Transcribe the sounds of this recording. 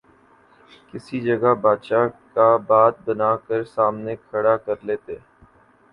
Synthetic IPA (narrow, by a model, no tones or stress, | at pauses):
kɪsid͡ʒɐɡabaːd̪ʃakabaːt̪̚bɐnaːkəɾsaːmnekʰɐɽakɐɾleːt̪eː